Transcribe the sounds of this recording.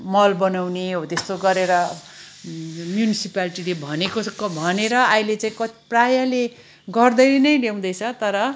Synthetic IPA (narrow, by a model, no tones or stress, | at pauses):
mʌlbʌnawneɦot̪est̪oɡʌɾeɾʌ | mjunisipaliʈilebʱʌnekokʌbʱʌneɾʌajlet͡sãĩkʌt̪i̥prajale | ɡʌrd̪ʌjnʌjɖew̃d̪ʌjt͡sʰʌt̪ʌɾʌ